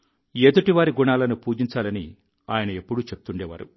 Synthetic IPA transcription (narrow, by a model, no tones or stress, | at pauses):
eːd̪uʈiʋaːɾiɡuɳaːlɐnupuːd͡ʒiɲt͡ʃaːlɐni | aːjɐnɐepːuɽut͡ʃepu̥t̪uɳɖɛːʋa̰ːɾṵ